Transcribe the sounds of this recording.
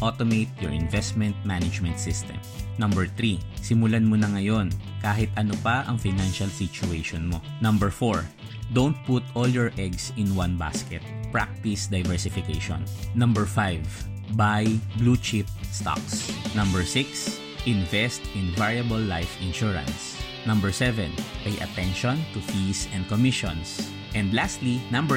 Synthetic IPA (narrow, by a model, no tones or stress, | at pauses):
ʔot̪omejt̪̚jɔɹɪ̃nvɛst̪mɛnt̪̚manɐd͡ʒmɛnt̪sɪst̪ɛ̰mnɐmbɛɹt̪ɾisɪmʊlanmonɐŋɐjo̞nkaːɦɪt̪ʔɐnopɐʔɐŋfɪnanʃɐlsɪt͡ʃʊejʃonmonɐ̃mbɛɹfoɹ | d̪ownt̪̚put̪ʔoljɔɹʔɛɡsɪnwanba̰skɛt̪̚pɹa̰k̚t̪ɪsd̪ɐjvɛɹsɪfɪkejʃo̰nːɐ̃mbɛɹfajv | bajblut͡ʃɪp̚st̪a̰ksnɐ̃mbɛɹsɪks | ʔɪ̃nvɛst̪ɪ̃nvaɹjɐbɐlːajfɪ̃nʃuɹɐ̰̃ns | nɐ̃mbɛɹsɛvɛ̃nʔɐjʔɐ̰t̪ɛnʃɔ̃nt̪ufisɛ̃nd̪̚komɪʃɔ̰̃ns | ʔɛ̃nd̪last̪linɐ̃mbɛ